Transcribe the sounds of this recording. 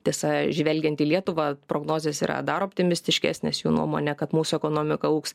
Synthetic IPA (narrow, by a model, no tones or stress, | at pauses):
t̪ʲiɛsɑʒʲʋʲɛlʲɡʲɛnt̪ʲiːlʲiɛt̪ʊʋɑːpɾoːɡnoːzʲeːsḭːɾɐ̰d̪ɐɾoːpʲt̪ʲɪmʲɪsʲt̪ʲɪʃʲkʲæ̰ːsʲnʲḛːsjuːnṵɔmo̰ːnʲɛkɐt̪muːsʊɛkoːnoːmʲɪkɐuːks